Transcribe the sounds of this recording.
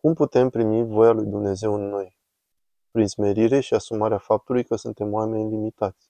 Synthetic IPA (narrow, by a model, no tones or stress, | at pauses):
kumput̪e̞mpɾimivo̞jalujd̪umne̞ze̞wɨnːo̞j | pɾinzme̞ɾiɾe̞ʃiasumaɾeafap̚t̪ulujkəsunt̪e̞mwame̞nlimit̪at̪sʲ